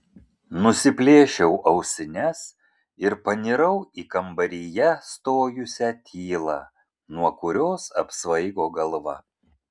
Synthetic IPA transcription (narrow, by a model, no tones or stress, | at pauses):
nʊsʲɪpʲlʲeːʃʲɛʊʔɐʊsʲɪnʲɛs | ɪɾpɐnʲɪɾɐʊiːkɐmbɐɾʲɪjɛst̪oːjʊsʲæt̪ʲʰiːlˠɑː | nuɔkʊɾʲoːsɐpsʋɐɪɡoːɡɐlˠʋɐ̰